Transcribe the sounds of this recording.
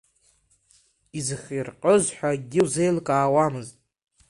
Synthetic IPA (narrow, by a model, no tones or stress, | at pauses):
izɨχirqʼəzħʷᶣaɡʲɪwzejlkʼaːwamɨztʼ